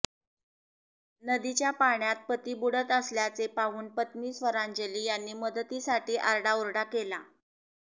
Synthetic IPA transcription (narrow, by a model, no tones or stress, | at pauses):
nəd̪it͡ɕjapaɳjat̪̚pət̪iːbuɽət̪əsljat͡sepaɦuːnpət̪miːsʋəɾaɲd͡ʑəliːjanːiːməd̪ət̪isaʈʰiːʔaɾɽauɾɽakela